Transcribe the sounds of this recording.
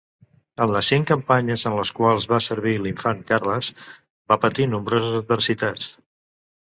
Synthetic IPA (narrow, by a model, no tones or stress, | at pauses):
ənləsiŋkəmpaɲəzənləskwalˠzβasəɾβ̞iliɱfaŋkarləz̥ | bapət̪inumbɾozəzəd̪̚bəɾsit̪at͡s